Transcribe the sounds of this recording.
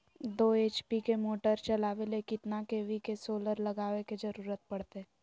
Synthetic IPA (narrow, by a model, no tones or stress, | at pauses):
d̪oːeːt͡ʃpikemoːʈəɾt͡ʃɐlaːʋelekɪt̪nakeːʋikesoːləɾlɐɡaːʋeked͡ʒɐɾuːɾət̪̚pɐɽ̤t̪e